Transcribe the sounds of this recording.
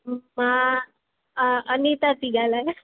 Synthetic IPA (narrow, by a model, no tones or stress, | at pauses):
ma | ənit̪at̪iɡalaj